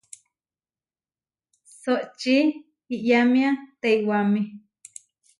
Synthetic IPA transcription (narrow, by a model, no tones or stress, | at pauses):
soʔt͡ʃi | iʔjamĩat̪eiwamĩ